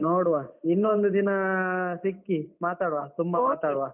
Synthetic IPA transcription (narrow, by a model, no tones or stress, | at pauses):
noːɽuʋaːinːond̪ud̪inɐsikːimaːt̪aːɽʋaːt̪umbɐmaːt̪aːɽuʋaː